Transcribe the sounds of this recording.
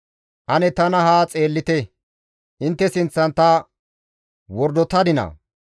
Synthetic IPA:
ʔɐnɛt̪ɐnɐɦaːt͡sʼe̞ːlːɪt̪ɛ | ʔɪnt̪ːɛsɪnt͡sːɐnt̪ɐ | wɔɾd̪ɔt̪ɐd̪ɪnɐ̰

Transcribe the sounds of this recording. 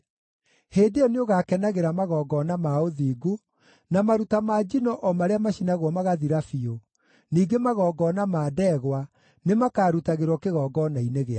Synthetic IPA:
heːndeɔneoɣakɛnaɣeɾamaɣɔːɡɔːnamaoðiːɡu | namaɾutamaːd͡ʒinɔʔɔmaɾeamaɕinaɣwɔmaɣaðiɾafio | niːɡemaɣɔːɡɔːnamaːdɛɣwa | nemakaːɾutaɣeɾwɔkeɣɔːɡɔnaineɣea

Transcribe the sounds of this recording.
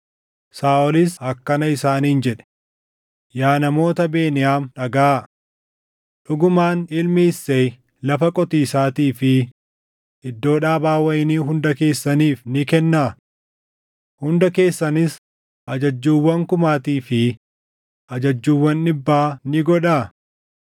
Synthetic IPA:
saːʔɔlɪshɐkːɐnɐɪsaːniːnd͡ʒɛᶑɛ̥ | jaːnɐmo̞ːt̪ɐbe̞ːnɪjaːmᶑɐɡaː | ᶑʊɡʊmaːnɪlmɪɪsːej | lɐfɐkʼɔt̪iːsaːt̪iːfɪ | ʔɪd̪ːo̞ːᶑaːbaːwɐʔɪniːɦʊnd̪ɐke̞ːsːɐniːfnɪkɛnːaː | hʊnd̪ɐke̞ːsːɐnɪs | ʔɐd͡ʒɐd͡ʒːuːwːɐŋkʊmaːt̪iːfɪ | ʔɐd͡ʒɐd͡ʒːuːwːɐnːɪbːaːnɪɡɔᶑaː

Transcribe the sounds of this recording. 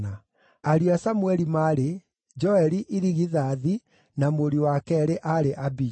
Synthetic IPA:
a | aɾiasamuɛɾimaɾe | d͡ʒɔɛɾiʔiɾiɣiðaːði | namoɾiwakɛɾeʔaɾeʔabi

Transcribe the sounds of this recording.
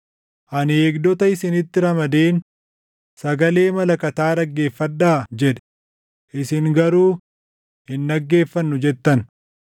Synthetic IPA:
ʔɐneːɡd̪ɔt̪ɐɪsɪnɪt̪ːɪɾɐmɐd̪eːn | sɐɡɐle̞ːmɐlɐkɐt̪aːd̪ɐɡːe̞ːfːɐd̪ːaːd͡ʒɛᶑɛ̥ | ʔɪsɪŋɡɐɾuː | hɪnːɐɡːe̞ːfːɐnːʊd͡ʒɛt̪ːɐn

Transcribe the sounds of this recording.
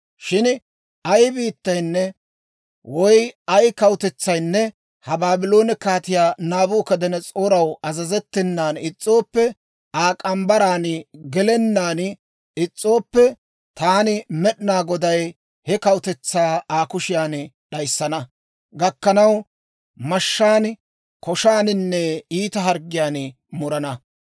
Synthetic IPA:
ʃɪn | ɐjbiːt̪ːɐjnːɛ | wɔjɐjkɐwʊt̪ɛt͡sːɐjnːɛ | hɐbaːbɪlo̞ːnɪkaːt̪ɪjaːnaːbuːkɐd̪ɛnɛt͡sʼoːɾɐwɐzɐzɛt̪ːɛnːaːnɪt͡sʼːo̞ːpːɛ | aːkʼɐmbɐɾaːnɪɡɛlɛnːaːn | ɪt͡sʼːo̞ːpːɛ | t̪aːnɪmɛɗɪnaːɡɔd̪ɐj | hɛkɐwʊt̪ɛt͡sːaːaːkʊʃɪjaːn | ɗɐjsːɐnɐ | ɡɐkːɐnɐw | mɐʃːaːn | kɔʃaːnɪnːɛiːt̪ɐɦɐɾɡɪjaːn | mʊɾɐnɐ

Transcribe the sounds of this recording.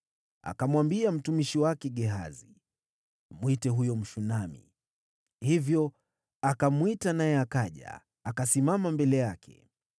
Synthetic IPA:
a̰kamwambiam̩tumiʃiwakɛɠɛɦa̰zi | mwitɛɦujɔm̩ʃunamḭ | hivjɔ | akamwitanajɛakaʄa̰ː | kasimamambɛlɛjakʰɛ̰

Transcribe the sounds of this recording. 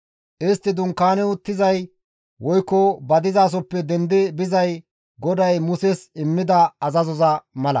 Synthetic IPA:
ʔɪst̪ːɪd̪ʊŋkːaːnɛʊt̪ːɪzɐj | wɔjkːɔbɐd̪ɪzaːs̬ɔpːɛd̪ɛnd̪ɪbɪzɐj | ɡɔd̪ɐjmʊsɛsɪmːɪd̪ɐɐzɐzɔzɐmɐlɐ̰

